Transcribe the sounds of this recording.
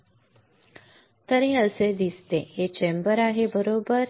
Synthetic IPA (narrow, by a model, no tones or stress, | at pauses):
t̪əɾeəsed̪ist̪eɦet͡ɕembəɾaɦebəɾobəɾ